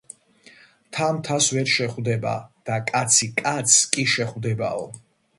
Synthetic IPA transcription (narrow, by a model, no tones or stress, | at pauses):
t̪ʰamt̪ʰasvɛɾʃɛχvd̪ɛba̰d̪̥akʼat̪sʰikʼat̪sʰkʼiʃɛχvd̪ɛba̰ɔ